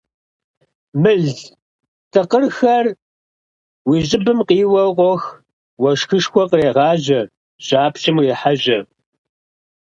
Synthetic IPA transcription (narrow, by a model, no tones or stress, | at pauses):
mɨɮ | tʰɨqərxɐr | wiːʑʼɪbɨmqiːwɐqʷɔx | wɐʂxɨʂxʷɔqəreːʁɑːʑɐ | ʑ̥ʼaːpɕɪmriːħaʑɐ